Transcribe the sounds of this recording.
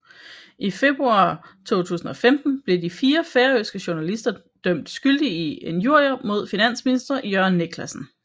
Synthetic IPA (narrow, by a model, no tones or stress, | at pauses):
ʔife̝b̥ʁuɑ̈t͡sʰo̝̰ːt͡sʰṵːsn̩ɒ̽femd̥n̩b̥le̝difiːɐfeːɐøsɡ̥əɕo̝nælisd̥ɐ | d̥œm̰d̥sɡ̥yld̥iie̝njuɐ̰jɐmo̝ð̞̰ˠfinæn̰sminisd̥ʁɐjœɐ̰nːeɡ̥ʰlæsn̩